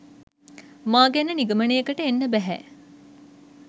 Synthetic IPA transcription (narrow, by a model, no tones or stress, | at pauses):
maːɡenːəniɡɐmənejekəʈəenːəbæɦɛ̰